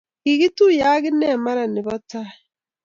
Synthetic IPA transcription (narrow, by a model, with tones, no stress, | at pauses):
ki˨ɣi˦tu˦ja˦ɣi˦nɛ˦˨ma˦ɾa˨ni˨βɔ˦ta˦